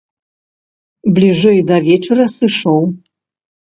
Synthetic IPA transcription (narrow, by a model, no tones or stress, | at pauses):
blʲiʐɨjd̪ɐvʲet͡ʃʰɛɾɐsɨʂow